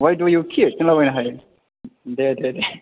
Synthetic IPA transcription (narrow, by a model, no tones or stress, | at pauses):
wajdujukʰitinlabajnaɦaj | dedede